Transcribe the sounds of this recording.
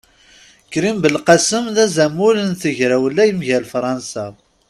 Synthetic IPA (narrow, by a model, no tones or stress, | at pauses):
kːɾimbəlqɑsəmðæzæmulənθəʝɾæwəlːæjəmʝælfɾˤɑnsæ